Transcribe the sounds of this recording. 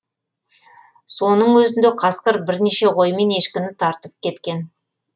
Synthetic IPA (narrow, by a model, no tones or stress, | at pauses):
so̞nəɴwɵzɪnd̪eqʰɑsqəɾbɪɾneʃe̞ʁo̞jme̞ne̞ʃkʲɪnɪt̪ʰɑɾt̪əp̚kʲʰe̞t̪kʲe̞n